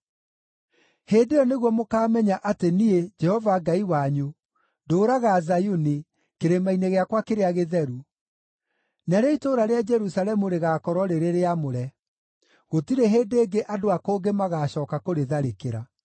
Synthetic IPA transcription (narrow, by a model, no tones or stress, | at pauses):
heːndejɔneɣwɔmokaːmɛɲaʔatenied͡ʒɛhɔvaɡaiwaɲu | doːɾaɣazajuni | keɾemaineɣeakwakeɾeaɣeðɛɾu | naɾeitoɾaɾead͡ʒɛɾusalɛmuɾeɣaːkɔɾɔɾeɾeɾeamoɾɛ | ɣotiɾeɦeːdeːɡeʔadoakoːŋɡemaɣaːɕɔːkakoɾeðaɾekeɾa